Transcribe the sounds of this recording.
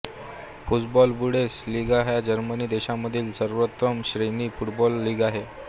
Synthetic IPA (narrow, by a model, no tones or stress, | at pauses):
fuʈbɔlbuɽesliɡaɦjad͡ʑəɾməniːd̪eɕamːəd̪ʱiːlsəɾʋət̪ɾəmɕɾeniːfuʈbɔlːiːɡaɦe